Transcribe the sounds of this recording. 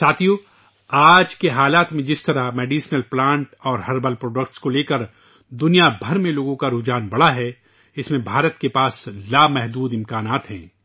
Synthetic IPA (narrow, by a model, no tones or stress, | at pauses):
saːt̪ʰijoː | aːd͡ʒkeɦaːlaːt̪mẽd͡ʒɪst̪ɐɾameːɖiːʃnəlplãːɳʈɔːɾɦɐɾbəlpɾoːɖəkʈskoleːkəɾ | d̪ʊnijabʱɐɾmẽloːɡõkaɾud͡ʒaːnbɐɽaɦɛ | ɪsmẽbʱaːɾət̪kepaːslaːmɛɦd̪uːd̪ɪ̃mkaːnaːt̪ɦɛ̰̃ː